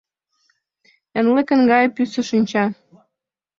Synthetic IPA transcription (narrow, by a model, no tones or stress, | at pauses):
ə̆nlĕkə̆nɡɑjĕpysə̆ʃinʲt͡ɕɑ